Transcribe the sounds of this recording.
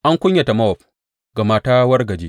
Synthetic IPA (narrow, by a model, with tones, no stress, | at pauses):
ʔa˦ŋkʷʊ˦ɲja˨ta˨ma˦wɔ˨ɸ̚ | ɡɐ˨maː˨taː˦wɐ˦rɡɐ˨d͡ʒeː˦